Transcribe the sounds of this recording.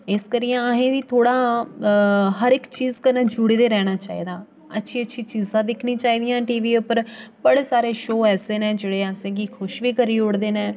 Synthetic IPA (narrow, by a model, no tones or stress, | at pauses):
ɪskəɾiːãaɦẽːd̪iːt̪ʰoːɽaː | ɦəɾɪkt͡ʃiːzkənẽːd͡ʒʊɽd̪eːɾɛːɽ̃aːt͡ʃa̰ːḭːd̪ãː | ətːʃʰiːətːʃʰiːt͡ʃiːzãːd̪ɪkʰnĩːt͡ʃaːiːd̪ijãːʈiːʋiːpəɾbəɽeːsaːɾeːʃoːɛːseːnẽːd͡ʒeːɽeːəsẽːɡiːkʰʊʃʋiːkəɾiːʊɽd̪eːnẽː